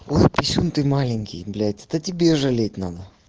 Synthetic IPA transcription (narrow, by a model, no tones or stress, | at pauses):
ojpʲɪsʲunt̪ɨmalʲɪnʲkʲɪ̰jblʲætʲɛt̪ɐtʲɪbʲeʐɐlʲet̚ʲnad̪ə